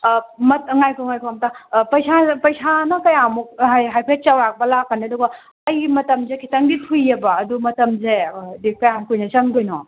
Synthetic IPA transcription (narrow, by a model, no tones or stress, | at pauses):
mɐt̚ŋajkʰɔŋajkʰuamtapɐjsapɐjsanɐkɐjamuk̚jɦajpʰejt̚t͡ʃawɾak̚bɐlakːaniɐduɡɐ | ɐjmɐtɐmzekʰitɐŋdipʰujːɐbɐːdumɐtɐmzedikɐjamkujnɐt͡ʃɐŋdojnɔ